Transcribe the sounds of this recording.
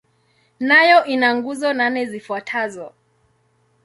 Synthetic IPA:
najɔʔinaŋɡuzɔnanɛzifuatʰazɔ

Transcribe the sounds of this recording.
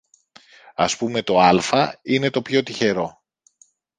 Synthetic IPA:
ɐspume̞t̪o̞ɐlfɐine̞t̪o̞pço̞t̪içe̞ɾo̞

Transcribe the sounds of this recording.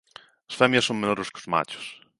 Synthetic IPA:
ɐ̥sfɛmjɐsːoŋmenɔɾɪskɪʊzma̰t͡ʃʊ̥s

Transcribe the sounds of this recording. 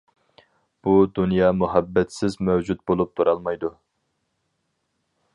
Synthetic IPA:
b̥ud̪unjɑmuɦɛbːɛt̪sɪzmɛwd͡ʒut̪̚bolˠup̚t̪ʰuɾɑlˠmɑjd̪u

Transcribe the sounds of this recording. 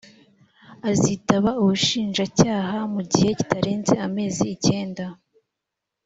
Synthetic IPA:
azitaβauβuʃiːnʒacaːɦamuɟiheci̥taɾe̞ːnze̞ame̞ːziːce̞ːnda

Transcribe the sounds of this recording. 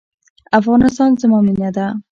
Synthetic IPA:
afʁɑnɪst̪ɑnzɪmɒmɪnad̪a

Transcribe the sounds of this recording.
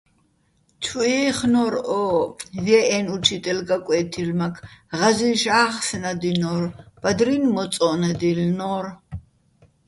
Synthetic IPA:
tʰuɛχnɔɾɔvɛʔɛnut͡ʃʰit̪ʼɛlɡakʷʼwɛːt̪ʰilmakʰʁaziʃaːχsnad̪inɔɾb̥ad̪ɾinmɔt͡s̪ʼɔnɛd̪ilnɔɾ

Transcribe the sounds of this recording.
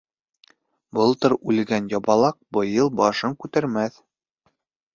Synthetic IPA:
bɤlˠt̪ɤɾʉlɡænjɑbɑlˠɑq̚bɤ̆jɤlˠbɒʃɤŋkʉt̪æɾmæθ

